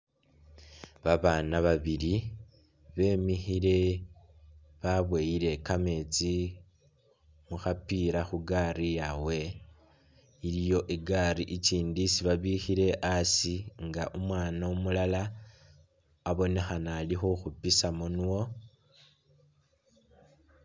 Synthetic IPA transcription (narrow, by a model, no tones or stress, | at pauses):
βaβaːnaβaβiɾi | βe̞ːmixiɾe̞ | βaβwe̞jiɾe̞kame̞ːt͡si | muxapiɾaxuɡaɾijawe̞ | iɾijo̞ʔiɡariʔiciːndisiβaβixiɾe̞ʔasiŋɡaʔumwaːnaumulala | βo̞ne̞xanalixoxupisamonuwo̞